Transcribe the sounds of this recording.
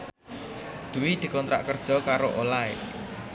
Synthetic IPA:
d̪̥ṳwid̪̥i̤kɔnt̪ɾa̰ʔkərd̥ʒ̥ɔ̤kaɾoʔolae

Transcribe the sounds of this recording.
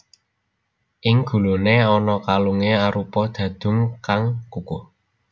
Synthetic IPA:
ʔɪŋɡ̥ṳluneɔnɔkaluŋeaɾupɔd̪̥ä̤d̪̥ʊ̤ŋkaŋkuku

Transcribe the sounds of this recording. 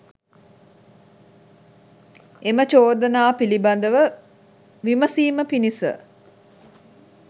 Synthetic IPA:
emət͡ʃoːd̪ənaːpiliband̪əʋə | ʋiməsiːməpinisə̰

